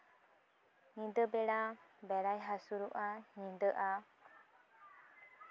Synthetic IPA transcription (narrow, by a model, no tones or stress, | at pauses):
ɲid̪əbɛɽabɛɽajɦasuɾuʔaɲind̪əʔa